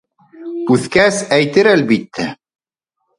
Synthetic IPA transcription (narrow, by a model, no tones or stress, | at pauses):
ʉθkæsæjt̪ɘɾælbit̪ːæ